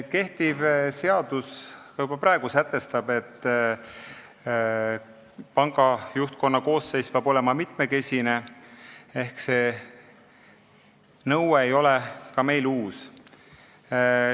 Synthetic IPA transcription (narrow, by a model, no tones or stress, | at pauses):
ke̞ht̪ibse̞ɑd̪̥uskɑjub̥ɑpɾɑeɡ̥usæt̪ːˑe̞st̪ɑb̥e̞t̪ːˑ | pɑŋɡ̥ɑjuht̪̚ko̞nːɑko̞ːsːe̞jspeɑbo̞le̞mɑmit̪me̞ke̞sʲine̞ | e̞hkse̞ | nɤweejo̞lekɑme̞jluːs